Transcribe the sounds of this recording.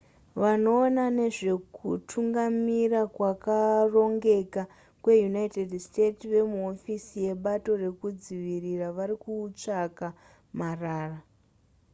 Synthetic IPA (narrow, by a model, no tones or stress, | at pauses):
ʋano̞ːnane̞ʐe̞kutʰuŋɡamirakwakaro̞ŋɡe̞ka | kwe̞junaitedste̞tiʋe̞muo̞fisije̞ɓato̞re̞kud͡ziʋiriraʋaɾikuːt͡ʂaka | maraːra